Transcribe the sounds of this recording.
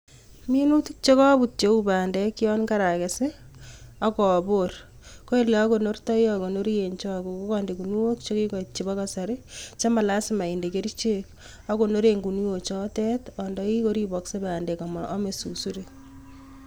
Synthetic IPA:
mi˦nu˦tu˦k̚t͡ʃe˦kɔ˦bu˨t͡ʃe˦ubaː˨ndɛki˦ɔ˦nka˦ɾa˨ke˨se˦ | a˦kɔ˨bor | ko˦e˦lɛ˨a˦ko˨no˦rta˦jɔko˨no˦ɾi˦je˨nt͡ʃɔko˨ko˦kɔndeku˨ni˦wo˦kt͡ʃo˦ki˦kɔ˨it͡ʃːe˨ba˦kasa˨ɾet͡ʃa˦ma˨la˦sɪma˨i˨nde˨ke˦ɾit͡ʃe˦k | a˦ko˨no˦ɾe˨ŋɡu˨ni˦wo˨t͡ʃɔ˦tɛ˦tɔndɔki˦ko˦ɾi˦bɔkse˦baː˨ndɛ˨ka˨mɔʔɔ̰˦me˨su˨su˦ɾe

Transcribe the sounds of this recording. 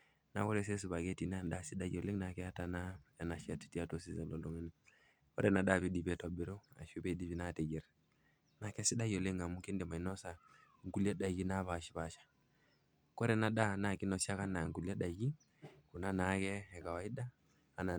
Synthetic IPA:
na̰˨˦kɔ˦ɾɛ˨s̬ɛ˦s̬u˨βa˨kɛ˦ti˨n˦a˨nda˦˨si˦ɗa˦jɔ˨le˦ŋna˨kɛ˦a˦ta˨na˦ɛ˨na˨ʃa˨ti̥˨ti˦a˦to˨si˦zɛ˨lɔ˨dɔ˨ŋi˦ni˦ | kɔ̰˦ɾɛ˨na˨ɗa˦˨βi˦di˨pɛ˨tɔ˦bi˨ɾo˦a̰˨ʃu˦pɛ˦di˨βi˨˦na˦˨tɛ˨d͡ʒɛ˨ɾ | na˨kɛ˦si˦ɗa˦jɔ˨le˦ŋa˨mu˦ki˦ndɛ˨ma˨i˨nɔ˦sa˨ | ŋ˨ɡu˨li˦ɛ˦ɗa˨ɡi˦na˦βa˨ʃi̥˨βa˨ʃḁ˨ | kɔ˦ɾɛ˨na˨ɗa˦na˨ki˦nɔ˨sa˦ka˦na˨ŋɡu˨li˦ɛ˦ɗa˨ɡi˦ | ku˨na˦na˨˦kɛː˦˨ka˨wa˨i˦daː˦˨ | na˨

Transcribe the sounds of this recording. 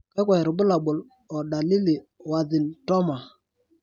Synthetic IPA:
kɛ˦kwɛ˨ɾʊ˨bʊ˦la˨bʊ˨l | ɔ˨ɗa˨li˦li˨wa˨ðɪ˨ntɔ˦ma˨

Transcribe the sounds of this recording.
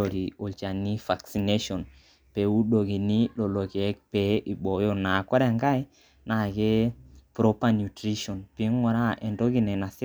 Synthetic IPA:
o˨ɾi˨o˨lt͡ʃa˨ni˦fa˨ksi˨ne˦ʃɔ˨n | pe˨u˦ɗo˨ki˨ni˦lo˨lo˨ki˨ɛ˦k̚pɛ˨˦ʔi˨ɓo˨jo˦na˨kɔ˦ɾɛ˨ŋɡa˦j | na˨ke˦pɾo˦pa˦nju˨tɾi˦ʃɔ˨npi˨˦ŋɔ˨ɾa˦ʔɛ˨ndo˦ki˦˨nɛ˨na˨si˦

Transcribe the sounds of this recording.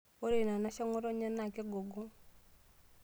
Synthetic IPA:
o˦ɾe˨na˨na˦ʃa˦ŋɔ˦ɾɔ˦ɲa˦na˨ke˦ɡo˨ɡo˦

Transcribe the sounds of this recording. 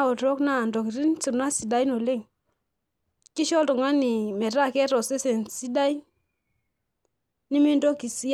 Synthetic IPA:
o˨tɾo˦kna˦˨ndo˨ki˨ɾi˦nt͡ʃi˨na˦si˨da˦jno˨le˦ŋ | ki˦ʃɔ˦tɔ˨ŋa˦ni˨mɛ˨ɾa˦˨kɛ˦ɾɔ˨se˦sɛ˨nsi˦da˦j | ni˦mi˦ndo˦ki˨si˦

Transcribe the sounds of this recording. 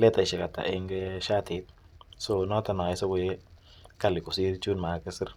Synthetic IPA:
lɛ˦ta˨ɪ˨ʃɛ˨ka˨ta̰˨ʔɛ˦ŋɡɛ˦ʃa˦tɪ˨˦t̚ | so˦nɔ˦ta˨nɔ˨ɪ˦so˦kʊ˨je˦ | ka˦˨lɪ˨kʊ˨si˦ɾt͡ʃu˦nma˨˦kɪ˦sɪ˦ɾ

